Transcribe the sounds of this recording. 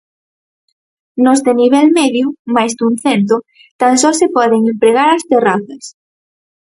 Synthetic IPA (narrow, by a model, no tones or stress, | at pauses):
nozðeniβ̞elmeðjumajzd̪unθent̪̬o | t̪ansɔsepɔðeŋimpɾeɣaɾast̪eraθɐs